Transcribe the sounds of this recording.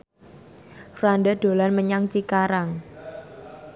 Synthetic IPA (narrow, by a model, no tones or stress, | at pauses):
fruanɖad̥o̤lanməɲaŋt͡ʃikaɾaŋ